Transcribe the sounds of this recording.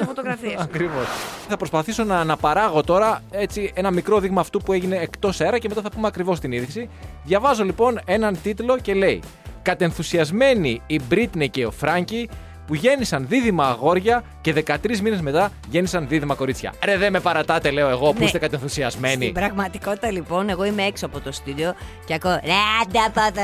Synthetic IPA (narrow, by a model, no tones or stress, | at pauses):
fot̪oɣɾɐfiɐkɾivosθɐpɾo̞spɐθiso̞nɐːnɐpɐɾɐɣo̞t̪o̞ɾɐe̞t͡sie̞nɐmikɾo̞ðiɣmɐːft̪upue̞ʝine̞ːkt̪o̞se̞ɾɐceme̞t̪ɐθɐpumeɐkɾivo̞s̬t̪iniðisiðʝɐvɐzo̞lipo̞ne̞nɐnt̪it̪lo̞ce̞le̞i | kɐt̪e̞nθusiɐzme̞niibɾit̪neceofɾɐɲci | puʝe̞nisɐnðiðimɐːɣo̞ɾʝɐce̞ðe̞kɐt̪ɾizmine̞zme̞t̪ɐ | ʝe̞nisɐnðiðimɐko̞ɾit͡sçɐ̰ɾeðeme̞pɐɾɐt̪ɐt̪e̞le̞oe̞ɣo̞apust̪ekɐt̪enθusiɐzmenibɾɐɣmɐt̪i̥ko̞t̪i̥t̪ɐlipo̞ne̞ɣo̞imeeksoɐpot̪ost̪id̪eoceɐkoɾed̪ɐpat̪ɐ